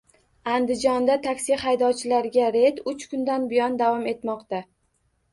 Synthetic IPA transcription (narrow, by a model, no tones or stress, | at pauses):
and̪ɪd͡ʒɒnd̪at̪ʰakʲsɪhajd̪ɒwt͡ʃʰɪlaɾɡʲaɾe̞t̪ʊt͡ʃkʰʊnd̪anbɪjɒnd̪avɒme̞t̪mɒqt̪a